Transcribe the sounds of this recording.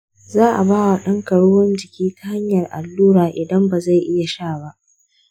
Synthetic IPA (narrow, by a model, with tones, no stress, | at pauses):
zaː˦ʔa˨baː˦wa˨ɗɐ˦ŋkɐ˨ɽʊː˦wɐ˦nd͡ʒɪ˨kʲiː˦ta˦ha˦ɲjɐ˨rʔa̰˨lːuː˦ɾaː˨ʔɪ˨dɐ˦mba˨za˦˨jʔɪ˦ja˨ʃaː˦˨ba˦